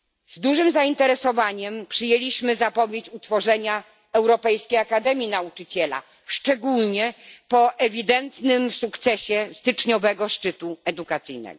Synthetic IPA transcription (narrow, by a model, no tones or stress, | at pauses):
zd̪uʐɘmzaint̪ɛɾɛsɔvaɲɛmpʂɘjelʲiɕmɘzapɔvʲjet͡ɕut̪fɔʐɛɲa | ɛwɾɔpɛjskʲejakad̪ɛmʲjinaut͡ʂɘt͡ɕɛla̰ | ʂt͡ʂɛɡulɲɛpɔʔɛvʲid̪ɛnt̪nɘmsukt̪sɛɕɛst̪ɘt͡ʂɲɔvɛɡɔʂt͡ʂɘt̪uɛd̪ukat̪sɘjnɛ̰ɡɔ